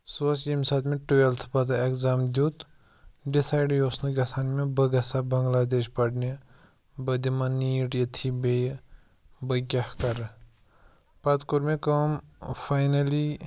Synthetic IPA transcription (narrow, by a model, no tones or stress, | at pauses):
sosimsaːt̪mẽʈuelt̪ʰpɐt̪aekzaːmd͡ʒut̪ | ɖisaːjɖjoːsnuɡʲɐsaːnmẽbɐɡɐsabɐŋɡlaːd̪eːʃpɐʈne | bɐd̪imɐniːʈjɐt̪ʰibej | bɐkʲahkɐɾ | pɐt̪kuɾmẽkɐmfaːjnɐli